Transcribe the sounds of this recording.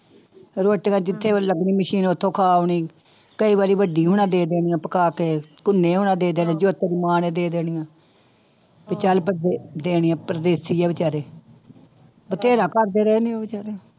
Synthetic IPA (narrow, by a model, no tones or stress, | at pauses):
ɾoːʈɡãːd͡ʒɪt̪ʰːeːləɡniːməʃiːnot̪ʰːõːkʰaːʋɳiː | kəiːbaːɾiːʋəɖiːɦʊñãːd̪eːd̪eːɽɪjãːpəkaːkeːkʊnːẽːɦʊːnãːd̪eːd̪eːnãːd͡ʒoːt̪ːɾiːmaːnẽːd̪eːd̪eːɽ̃ɪjãː | bɪt͡ʃəlpd̪ed̪eːɽɪjãːpɾəd̪eːsiːaːbɪt͡ʃaːɾeː | bət̪ʰeːɾãːkəɾd̪eːɾɛːneːbɪt͡ʃaːɾeː